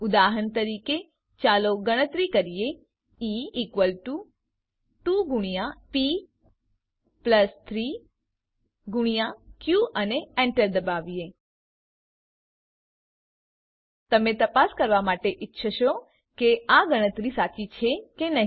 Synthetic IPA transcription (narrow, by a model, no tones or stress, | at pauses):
ʊd̪aɦəɳt̪əɾike | t͡ʃaloɡəɽ̃ət̪ɾikəɾije | iːkʋəlʈu | ʈuɡuɽ̃ijapi | pləst̪ʰɾi | ɡuɽ̃ijakjuəneɛɳʈəɾd̪əbaʋie | t̪əmet̪əpaskəɾʋamaʈeʔɪtːʃʰəʃo | keaɡəɽ̃ət̪ɾisat͡ʃit͡ʃʰekenəɦ